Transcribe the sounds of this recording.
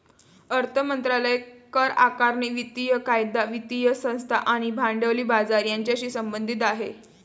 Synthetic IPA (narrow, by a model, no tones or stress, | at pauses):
əɾt̪ʰəmənt̪ɾaləjekəɾa̰kaɾɳiʋit̪ijəkajd̪aʋit̪ijəsə̃w̃st̪ʰaʔaɽ̃ibʱãɳɖəʋliːbad͡zaɾjaɲt͡ɕjaɕiːsəmbənd̪ʱit̪̬aɦe